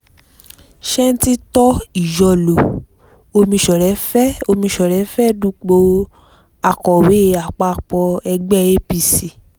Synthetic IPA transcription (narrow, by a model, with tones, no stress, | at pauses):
ʃɛ̃˦n̩˦ti˦tɔ˦i˨jɔ˧˨lo˨ | o˧mĩ˧ʃɔ˨ɾɛ˨˦fɛ˦o˧mĩ˧ʃɔ˨ɾɛ˨˦fɛ˦dũ˦k͡po˧ | a˨kɔ˨we˨˦˧a˨k͡pa˧˦˨k͡pɔ˧ɛ˧ɡ͡bɛ˦˨e˦pi˧si˨